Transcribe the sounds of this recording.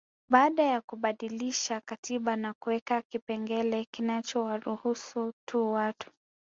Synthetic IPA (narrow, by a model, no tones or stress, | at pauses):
ɓaːɗajakuɓaɗiliʃakatiɓanakuwɛkakipɛŋɡɛlɛkinat͡ʃɔwaɾuhusutuwatu̥